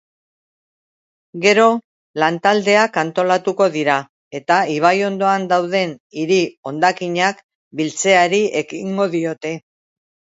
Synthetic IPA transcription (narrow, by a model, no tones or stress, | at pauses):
ɡe̞ɾo̞ | lant̪ald̪e̞akant̪o̞lat̪uko̞ðiɾa | e̞t̪aiβ̞ajo̞nd̪o̞and̪awð̞e̞niɾio̞nd̪akiɲak | bilt͡se̞aɾie̞kiŋɡo̞ðio̞t̪e̞